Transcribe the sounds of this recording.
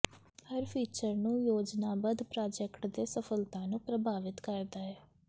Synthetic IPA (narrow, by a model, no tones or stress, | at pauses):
həɾpʰiːt͡ʃəɾnũːjoːd͡ʒnaːbəd̪pɾaːd͡ʒɛkʈd̪eːsəpʰəlt̪ãːnũːpɾəbaːʋɪt̪kəɾd̪aːɛː